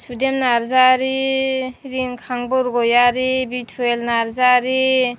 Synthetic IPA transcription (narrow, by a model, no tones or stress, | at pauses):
sudemnaɾzaɾi | ɾiŋkʰaŋbɔɾɡɔjaɾibitʰuelnaɾzaɾi